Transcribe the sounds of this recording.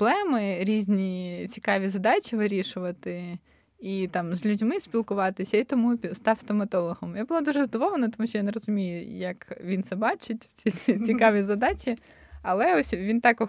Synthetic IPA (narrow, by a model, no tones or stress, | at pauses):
blˠɛmɪɾʲizʲnʲit͡sʲi̥kɑʋʲizɐd̪ɑt͡ʃʲiʋɪɾʲiʃʊʋɐt̪ɪ | it̪ɑmzʲlʲʉdʲmɪsʲpʲilˠkʊʋɑt̪ɪsʲɐit̪ɔmust̪ɑwst̪ɔmɐt̪ɔlˠɔɦɔmjabʊlˠad̪uʒɛzɐd̪ɔʋɔlˠenɐt̪ɔmuʃt͡ʃɔjanerɔzʊmʲijʊjɐkʋʲint̪sɛbɑt͡ʃɪtʲt͡sʲiit͡sʲikɑʋʲizɐd̪ɑt͡ʃʲi | ɐlˠɛɔsʲʋʲint̪ɑkɔ